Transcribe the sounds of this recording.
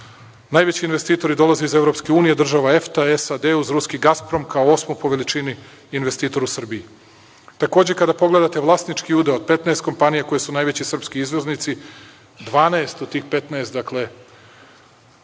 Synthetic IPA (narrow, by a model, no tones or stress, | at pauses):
naːjʋet͡ɕiinʋest̪iːt̪o̞ɾid̪o̞lˠazeize̞vɾo̞pske̞uːnijed̪r̩ʒaʋaeft̪aesad̪euzɾuskiɡaspɾo̞mkʰaoo̞smojpo̞ʋe̞lit͡ʃiniː | nʋest̪iːt̪o̞ɾusr̩bii | t̪ako̞ːd͡ʑe̞kad̪apo̞ɡle̞d̪at̪e̞ʋlˠast̪nit͡ʃkiud̪eod̪̚pe̞t̪naest̪ko̞mpanijako̞jesunaːjʋet͡ɕisr̩pskiizʋeznit̪si | d̪ʋaːnaest̪ut̪ːiːxpe̞t̪naest̪d̪akle̞